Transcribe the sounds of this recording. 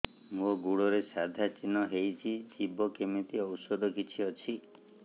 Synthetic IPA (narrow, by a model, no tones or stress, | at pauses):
moɡuɽɔɾesad̪ʱat͡ʃinɔɦejt͡ʃʰid͡ʒibʱɔkemit̪iɔwsɔd̪ɔkit͡ʃʰiɔt͡ʃʰi